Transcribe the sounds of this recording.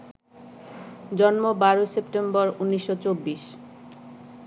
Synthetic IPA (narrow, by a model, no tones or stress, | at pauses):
d͡ʑɔnmobaɾosepʈembɔɾunːiʃːot͡ɕobːiʃ